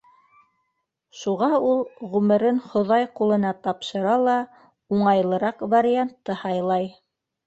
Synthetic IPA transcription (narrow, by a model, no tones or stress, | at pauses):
ʃuʁɑulˠʁʉmɘ̆ɾɘnχŏðɑjqulˠɤ̆nɑt̪ɑpʃɤ̆ɾɑlˠɑ | uɴɑjlˠɤ̆ɾɑqvaɾʲiant̪ːɤhɑjlˠɑj